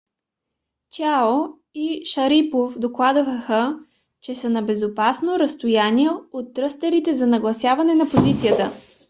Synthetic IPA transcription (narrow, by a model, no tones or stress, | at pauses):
t͡ʃao | iʃɐɾipofd̪oklˠad̪vəxə | t͡ʃɛsənɐbɛzopasnoɾɐst̪ojaniɛot̪ːɾɤst̪ɐɾit̪ɛzɐnɐɡlˠɐsʲjavɐnɛnɐpozit̪sijət̪ə